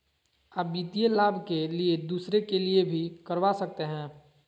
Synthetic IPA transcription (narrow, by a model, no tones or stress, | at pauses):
aːp̚biːt̪ijelaːbʱkelied̪uːsɾekeliebʱikəɾʋasɐk̚t̪eɦɛ̃ː